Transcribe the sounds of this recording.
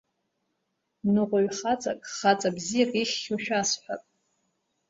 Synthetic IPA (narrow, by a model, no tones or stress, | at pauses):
nɨʁʷaɥχat͡sʼakʼχat͡sʼabzijarʼiχʲːoʃᶣasħʷᶣa̰tʼ